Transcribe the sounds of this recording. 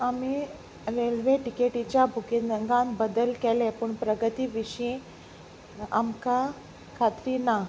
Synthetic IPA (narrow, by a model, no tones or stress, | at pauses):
ami | ʋelʋeʈikeʈit͡ɕjabʱukinəŋɡãmbəd̪əlkɛlɛ̃pəɳpɾəɡət̪iːʋiɕĩ | a̰mka | kʰat̪ɾina